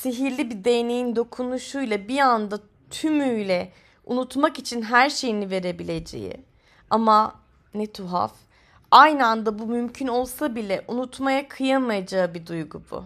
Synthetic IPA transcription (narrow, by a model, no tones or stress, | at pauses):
seɦiɾlʲibid̪ejne̞jind̪o̞kʰunuʃujlˠabiand̪a | t̪ʰymyjlʲɛ | ṵnut̪makit͡ʃʰinɦæɾʃe̞jinive̞ɾe̞bilʲe̞d͡ʒe̞̰jɪ̰ | ama | nɛt̪ʰuɦa̰f | ajnɯand̪abumymcʰyno̞lˠsabilʲɛʔunut̪majakʰɯjanmajad͡ʒaɯbid̪ujɡubṵ